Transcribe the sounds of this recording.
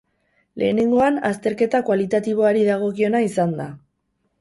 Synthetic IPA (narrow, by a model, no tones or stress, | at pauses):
lʔe̞ːne̞ŋɡo̞anast̪e̞ɾke̞t̪akwalit̪at̪iβ̞o̞aɾiðaɣ̞o̞kio̞naisand̪a